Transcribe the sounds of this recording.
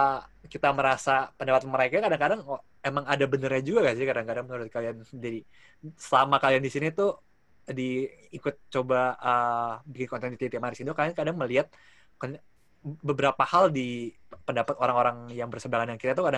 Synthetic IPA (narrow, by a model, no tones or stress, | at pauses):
əkit̪aməɾasapəndapat̪aməɾekakadaŋkadaŋ | emaŋadabənərɲad͡ʒuɡaɡasɪkadaŋkadaŋmənuɾʊt̪̚kaliand͡ʒadi | səlamakaliandisinit̪u | diːkʊt̪̚t͡ʃobaəbikɪnkɔnt̪ɛnit̪it̪emaɾisind̪ukakadaŋməliat̪̚ | ka | bəbəɾapahaldipəndapat̪oɾaŋoɾaŋjaŋbərsədaŋanjaŋkit̪at̪̬ukada